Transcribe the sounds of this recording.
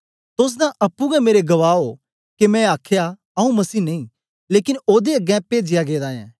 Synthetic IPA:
t̪ʊs̬d̪ãʔɐpːũɡɛmeːɾeɡɐʋaːo | kemɛ̃aːkʰja | ɐũmɐsiːnɐĩ | leːkɪnoːd̪eɐɡɛ̃peːd͡ʒɪjaɡeːd̪ãːɛ̰̃ː

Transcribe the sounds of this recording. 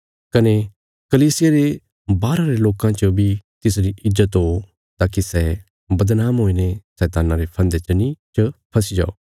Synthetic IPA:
kɐne | kɐliːsɪjaɾe | baːɾãɾeloːkãt͡ʃobʱit̪ɪs̬ɾiʔɪzːət̪ɦo | t̪aːkisɛ | bɐd̪naːmɦoːinesɛːt̪aːnãɾepʰɐ̃nd̪et͡ʃənĩt͡ʃəpʰɐsid͡ʒa̰ːo̰ː

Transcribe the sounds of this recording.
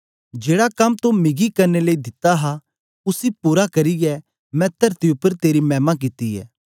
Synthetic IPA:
d͡ʒeːɽakɐmt̪omɪɡikɐɾneleid̪ɪt̪aɦa | ʊsipuːɾakɐɾiɡɛ | mɛ̃t̪ɐɾt̪iʊpːəɾt̪eːɾimɛːmak̬ɪt̪iɛ̰ː

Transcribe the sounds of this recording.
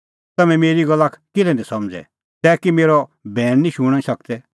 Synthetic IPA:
t̪ɐmɛ̃meːɾiɡɐlːakkɪlɛnɛ̃sɐmd͡zɛ̰ | t̪ɛːkimeːɾɔbʱɛːɽ̃nĩʃuɽ̃ãsɐk̚t̪ɛ

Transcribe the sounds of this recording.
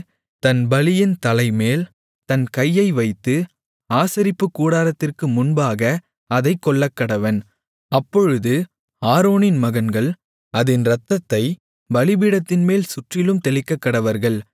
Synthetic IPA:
t̪ɐnbɐlɪjɪnt̪ɐlɐɪmeːl | t̪ɐnkɐjːɐɪʋɐɪt̪ːɯ | aːsɐɾɪpːɯkːuːɽaːɾɐt̪ːɪrkɯmʊnbaːɣɐ | ɐðɐɪkːɔɭːɐkːɐɽɐʋɐn | ɐpːɔɻɯðɯ | aːɾoːnɪnmɐɣɐnɡɐɭ | ɐðɪnɾɐt̪ːɐt̪ːɐɪ | bɐlɪbɪɽɐt̪ːɪnmeːlsʊʈrɪlɯmt̪ɛlɪkːɐkːɐɽɐʋɐɾɣɐɭ

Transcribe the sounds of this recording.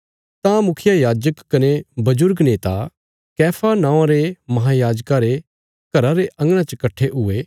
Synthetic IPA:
t̪ãmʊkʰɪjajaːd͡ʒəkːɐnebɐd͡ʒʊɾɡneːt̪a | kɛːpʰanãːãɾemɐɦaːjaːd͡ʒkaɾe | kɐɾaɾeʔɐ̃ŋɡɽ̃ãt͡ʃəkɐʈʰːeɦʊeː

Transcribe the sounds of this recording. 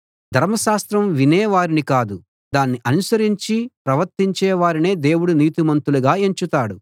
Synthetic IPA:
d̪ʱɐɾmɐʃaːst̪ɾɐmʋinɛːʋaːɾinikaːd̪u | d̪aːnːiʔɐnusɐɾiɲt͡ʃipɾɐʋɐɾt̪iɲt͡ʃɛːʋaːɾine̞ːd̪e̞ːwuɽuniːt̪imɐnt̪uluɡaːeɲt͡ʃut̪aːɽu

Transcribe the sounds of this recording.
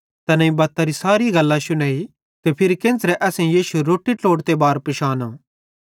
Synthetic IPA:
t̪ɐnɐ̃ĩbɐt̪ːaɾisaːɾiɡɐlːãʃʊnaːi | t̪epʰɪɾkẽːnt͡sɾɛʔɛːsẽjiːʃuɾoːʈːiʈloːɽt̪ebaːɾpɪʃaːnã

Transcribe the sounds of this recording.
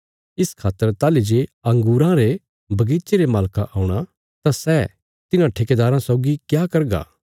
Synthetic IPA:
ɪskʰaːt̪ːəɾt̪aːlid͡ʒeɐ̃ŋɡuːɾãɾe | bʱɐɡiːtt͡ʃeɾemaːlkaʔaːũɽ̃a | t̪asɛː | t̪ɪnãʈʰeked̪aːɾãsɔːɡikjakɐɾɡa̰ː

